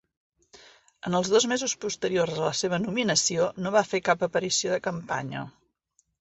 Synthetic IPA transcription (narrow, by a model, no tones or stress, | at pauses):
ənəlˠzðozmezuspust̪əɾiorzðələseβ̞ənuminəsionoβafekapəpəɾisioðəkəmpa̰ɲə̰